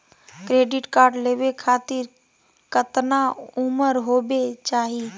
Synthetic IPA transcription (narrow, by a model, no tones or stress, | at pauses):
kɾeːɖɪʈkaːɾɖleːʋekʰaːt̪ɪɾ | kət̪naʊməɾɦoːbet͡ʃaːɦiː